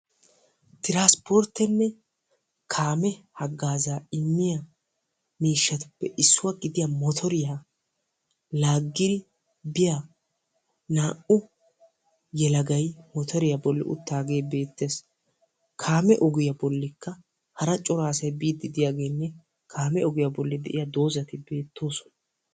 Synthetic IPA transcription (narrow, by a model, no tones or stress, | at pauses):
t̪ɪɾaːspɔɾt̪ːɛnːɛ | kʰaːmɛhɐɡːaːzaːɪmːɪjɐ | miːʃːɐt̪ʊ̥pːɛʔɪsːʊwaɡɪd̪ɪjɐmɔt̪ʰɔɾɪja | laːɡːɪd̪ɪ | bɪja | naːʔʊ | jɛlɐɡɐjmɔt̪ʰɔɾɪjɐbɔlːɪ̰ʔʊ̰t̪ːaːɡe̞ːbe̞ːt̪ːe̞ːs | kʰaːmɛʔɔɡɪjɐbɔlːɪkːɐ | hɐɾɐt͡ʃʼɔɾaːsɐjbiːd̪ːɪd̪ɪjaːɡeːnːɛ | kʰaːmɛɔɡɪjɐbɔlːɪd̪ɛ̰ʔɪ̰jɐd̪o̞ːzɐt̪ɪbe̞ːt̪ʰːo̞ːsɔ̥nɐ